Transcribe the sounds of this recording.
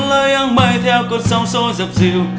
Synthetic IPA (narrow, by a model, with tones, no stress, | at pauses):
ləː˧˦ja˧˦nmə˧˩jt̪ʰɛ˧˥wku˧˥əsə˧˦wŋ͡mso˧zə˨˩p̚zi˨˩